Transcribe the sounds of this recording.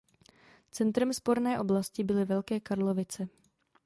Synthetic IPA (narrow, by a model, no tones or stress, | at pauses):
t͡sɛnt̪ɾɛmspo̞ɾnɛːʔo̞blascɪbɪlɪvɛlkɛːkaɾlovɪt͡sɛ